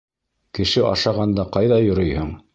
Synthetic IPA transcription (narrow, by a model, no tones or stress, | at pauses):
kɘ̆ʃɘʔɑ̰ʃɑʁɑnd̪ɑqɑjðɑjŏɾɤjhɤɴ